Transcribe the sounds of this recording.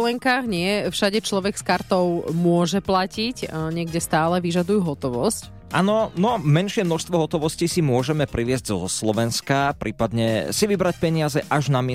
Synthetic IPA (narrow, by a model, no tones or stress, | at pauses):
lɛŋkaːɣɲɪɛfʃaɟɛt͡ʃlɔʋɛɡskaɾt̪ɔʊmʊɔʒɛplacicɲɪɛɡɟɛst̪aːlɛʋiʒad̪ujuɦɔt̪ɔʋɔsc | ʔa̰nɔnɔmɛnʃɪɛmnɔʃst̪ʋɔɦɔt̪ɔʋɔscisimʊɔʒɛmɛpɾiʋɪɛzɟzɔ̰slɔʋɛnskapɾiːpad̪ɲɛsiʋibɾac̚pɛɲɪazɛʔaʒnamɪɛ